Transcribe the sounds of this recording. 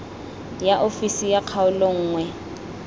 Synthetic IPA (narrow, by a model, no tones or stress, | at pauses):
jaʔofisijaq͡χʰaʊlɔŋ̩ːŋwɛ